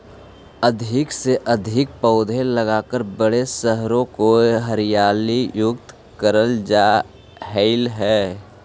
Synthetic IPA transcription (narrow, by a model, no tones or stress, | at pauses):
əd̪ʱɪkseʔəd̪ʱɪk̚pəʊd̪ʱeləɡaːkəɾbəɽesəɦɾõkoɦəɾɪjaːlijʊkt̪ | kəɾəld͡ʒa | ɦɛɪlɦɛː